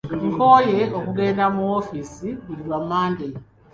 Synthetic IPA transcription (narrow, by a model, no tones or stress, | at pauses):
ŋkʰo̞ːjeokuɡe̞ːndamuwofiːsiβuɾiɾwamːaːnde